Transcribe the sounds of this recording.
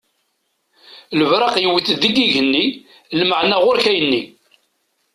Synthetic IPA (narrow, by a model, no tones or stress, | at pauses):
ləvɾˤɑqjəwəθðiɡiʝənːi | lməʕnæʁʊɾçæjənːi